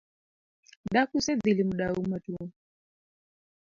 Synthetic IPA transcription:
ɗakusɛd̪ilimuɗaumatu

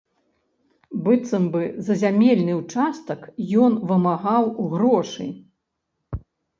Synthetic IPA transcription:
bɨt̪sɐmbɨzɐzʲamʲelʲnɨwt͡ʂast̪ɐkjɔnvɨmaɣawuɣɾɔʂɨ̰j

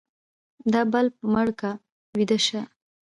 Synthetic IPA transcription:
d̪ɑbalp̚maɽka | wid̪aʃa

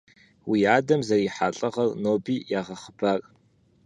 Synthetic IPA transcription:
wiːaːdɐmzɐriħaːɬʼɐʁɐrnoːbiːjaːʁɐχəbʰaːrʼ

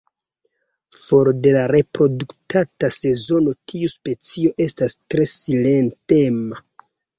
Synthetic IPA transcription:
foɾde̞laɾe̞pɾo̞duktʰatase̞zo̞no̞tʰiuspe̞t͡sio̞ʔe̞stastɾe̞sile̞ntema

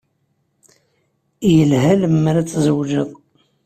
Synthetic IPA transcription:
jəlhæləmːaɾat͡sːzəwʒəðˤ

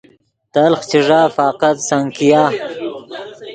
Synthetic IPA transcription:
t̪ɐlχt͡ɕiʐaːfɑːqat̪saŋkijaː

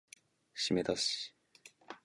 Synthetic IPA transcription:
ɕime̞t̪aɕi̥

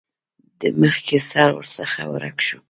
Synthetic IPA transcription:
d̪əməχkʰesɑɾwə̰ɾsəχa̰wə̰ɾa̰kʃu

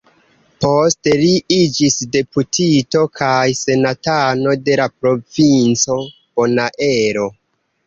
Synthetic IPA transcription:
po̞ste̞liid͡ʒisde̞putʰito̞kʰajse̞natano̞de̞lapɾo̞vint͡so̞ | b̥o̞naʔe̞ɾo̞

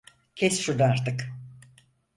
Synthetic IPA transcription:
cʰesʃud̪aaɾt̪ʰɯk

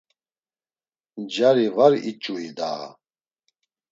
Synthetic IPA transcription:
d͡ʒaɾivaɾit͡ʃʼuid̪a̰ː

